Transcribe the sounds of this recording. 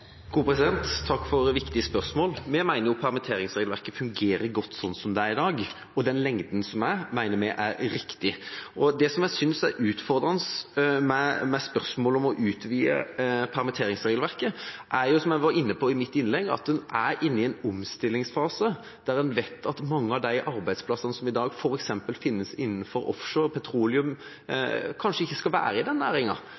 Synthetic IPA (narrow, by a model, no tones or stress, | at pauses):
ɡ̥uːpʰɾɛsɪd̪ɛnt̪ʰːɑkːfɔɾʋɪkt̪ɪəspœʁsmoːlmɛmæɪnəɾjʊpʰæʁmɛt̪ʰeːɾɪŋsɾeːɡlʋæɾkəfʉŋɡeːɾəɾɡɔt̪ːsɔnːsɔmd̪ɛæɾɪd̪ɑːɡ | ɔd̪ɛnlɛŋd̪nsɔmæɾmæɪnəɾmæɪʔæɾɾɪkt̪ɪʔɔd̪ɛsɔmæɪsʏnsæɾʔʉːt̪fɔɾd̪ɾɑnəsmɛmɛspœɾsmoːləɔmɔʔʉːt̪ʰʋiːə̰pʰæʁmɪt̪ʰeːɾɪŋsʁeːɡəlʋæʁkəʔæɾjʊsɔmjæɪʋɑɾɪnːəpʰɔɪmɪt̪ːɪnlɛɡɑ̰t̪̚d̪ʉnʔæɾɪnːɪɛɪnʊmst̪ɪlːɪŋsfɑːsə | d̪̥æɾɛnʋæɪt̪ʰɑt̪mɑŋːəɑʋd̪æɪʔɑɾbæɪd̪spʰlɑsːɑnəsɔmɪd̪ɑːɡfɔɾɛksɛmpəlfɪnːəsɪnːən̩fɔɾɔ̰fʂoːɾpʰɛt̪ʰɾuːlɪʉm | kʰɑnʂəɪçːəskɑlʋæ̰ːɾəɪd̪ɛnəæ̰ːɾɪŋɑ̰